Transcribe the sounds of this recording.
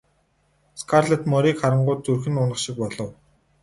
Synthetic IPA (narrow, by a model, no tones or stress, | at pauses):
skʰarɮet̪mɔɾiːkχaɾə̆ɴɢʊːt̪ːɵrxɘ̆nʊnə̆ʃɪ̆k̚pɔɮɞ̆w